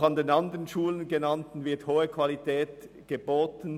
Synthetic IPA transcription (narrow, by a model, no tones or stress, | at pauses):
χɑndeːnɑndəʁənʃuːlənɡənɑntn̩vɪɐthoːəkʰv̥ɑlitʰɛːt | ɡ̥əboːtn̩